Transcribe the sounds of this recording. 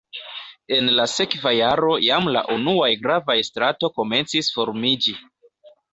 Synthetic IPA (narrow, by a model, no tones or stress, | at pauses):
e̞nlase̞kvajaɾo̞jamla̰ʔunuajɡɾavajstɾato̞ko̞me̞nt͡sisfo̞ɾmid͡ʒi